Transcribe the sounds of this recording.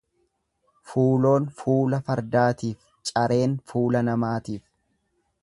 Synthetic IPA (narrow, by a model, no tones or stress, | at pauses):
fuːlo̞ːnfuːlɐfɐɾd̪aːt̪iːf | t͡ʃʼɐɾe̞ːnfuːlɐnɐmaːt̪iːf